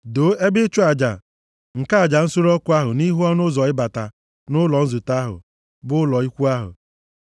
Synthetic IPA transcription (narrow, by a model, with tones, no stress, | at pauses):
do˨˦e˦bɪ˦t͡ʃʊ˦a˨d͡ʒa̰˨ | ŋ̩˨ka˦˨d͡ʒa˨n̩˦su˦ɾɔ˦kʊ˦a˦ɦʊ˨ni˦ɦu˦ɔ˦nʊ˦zɔ˨ɪ˦ba˨ta˨ | nʊ˦lɔ˨n̩˦zʊ˨ta˦ɦʊ̰˨ | bʊ˦lɔ˨i˦kʷu˦a˦ɦʊ̰˨